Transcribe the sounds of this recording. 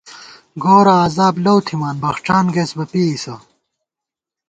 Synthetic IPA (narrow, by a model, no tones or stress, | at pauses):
ɡoːɾɐːzaːblɐwt̪ʰimaːnbɐxʈ͡ʂaːnɡeːsbɐpiːisɐ